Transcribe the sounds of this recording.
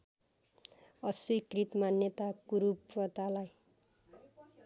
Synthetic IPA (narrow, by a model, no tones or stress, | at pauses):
ʌswikrit̪manjʌt̪akuɾupʌt̪alaj